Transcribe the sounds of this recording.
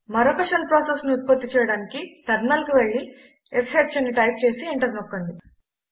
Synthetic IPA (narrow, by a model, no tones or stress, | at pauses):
mɐɾokɐʂɐnpɾoːsesniut̪̚pot̪ːit͡ʃɛːjɐɽaːnikit̪ɐɾnɐːlkuʋeɭːi | esɦet͡ʃɐnːiʈɐjp̚t͡ʃe̞ːsieɳʈɐɾnɔkːoɳd̪i